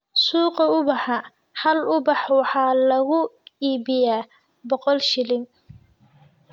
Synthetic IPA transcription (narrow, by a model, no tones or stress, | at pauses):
suːqɐʊbɑħɑ | hɐlʊbɑħwɑħɑːlɐɣʊiːbɪjaː | bɔqɔlʃɪlɪŋ